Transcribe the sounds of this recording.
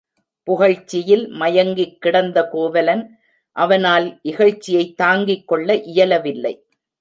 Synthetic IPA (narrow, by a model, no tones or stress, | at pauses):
pʊɣɐɻt͡ʃːɪjɪlmɐjɐŋɡɪkːɪɽɐnd̪ɐkoːʋɐlɐn | ʔɐʋɐnaːlʔɪɣɐɻt͡ʃːɪjɐɪt̪ːaːŋɡɪkːɔɭːɐʔɪjɐlɐʋɪlːɐ̰ɪ